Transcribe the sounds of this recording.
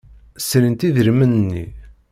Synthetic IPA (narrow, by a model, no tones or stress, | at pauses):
slənt̪iðəɾmənənːḭ